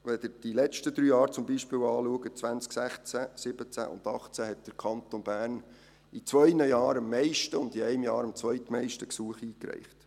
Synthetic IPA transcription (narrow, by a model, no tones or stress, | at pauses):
ʋɛd̥̪əɾd̥ilɛt͡ʃtəd̪ɾyːjɑːɾt͡sʊmbiʃpɪːwɑːluəɡət͡sʋænt͡sksæχt͡sæsɪb̥ət͡sæ̰ʔʊ̰ndɑχt͡sæhɛt̚d̥əɾkʰɑnt̪onbæːɾn | it͡sʋœʏnəjɑːɾəmːɛɪʃtəʊnd̪iɛɪmjɑːɾəmt͡sʋœʏt̪mɛɪʃtəksuəχiːkɾɛ̰ɪχt